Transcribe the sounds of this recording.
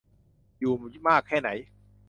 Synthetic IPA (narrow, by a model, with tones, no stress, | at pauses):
juː˨˩maː˥˩kʰːɛː˥˩na˩˦j